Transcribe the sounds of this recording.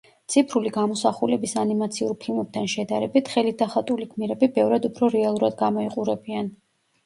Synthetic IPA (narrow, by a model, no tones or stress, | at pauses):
t̪sʰipʰɾuliɡamɔsaχulɛbisanimat̪sʰiuɾpʰilˠmɛb̚t̪ʰanʃɛd̪aɾɛbit̪ʰχɛlid̪aχat̪ʼulikʰmiɾɛbibɛvɾad̪upʰɾɔɾɛalˠuɾad̪ɡamɔiqʼuɾɛbian